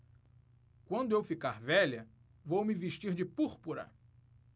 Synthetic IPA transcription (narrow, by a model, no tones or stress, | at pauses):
kwɐ̃nd̪ʊewfikaɾvɛʎɐ | vowmɪveʃt͡ʃiɾd͡ʒɪpuɾpuɾɐ̰